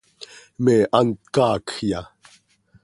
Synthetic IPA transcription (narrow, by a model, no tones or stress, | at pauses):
meːʔant̪̚kɑːkxja